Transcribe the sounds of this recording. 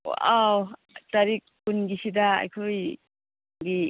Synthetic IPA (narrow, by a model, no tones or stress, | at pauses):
wa̰ʔaw | t̪aɾik̚ː | unɡisid̪aa̰jkʰuj | ŋɡi